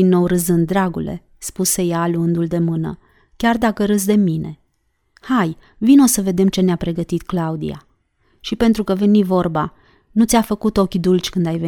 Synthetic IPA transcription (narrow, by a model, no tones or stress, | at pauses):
inːo̞wɾɨzɨnd̪ɾaɡṵle̞̰ | spuse̞jaːluɨnd̪uld̪e̞mɨnə̰ | kʲard̪akəɾɨz̬d̪e̞mine̞̰ | haj | vino̞səve̞d̪e̞mt͡ʃe̞neapɾe̞ɡət̪it̪klaud̪ḭa̰ | ʃipe̞nt̪ɾukəve̞nivo̞rba | nut̪sʲafəkut̪o̞kʲd̪ult͡ʃʲkɨnd̪ajve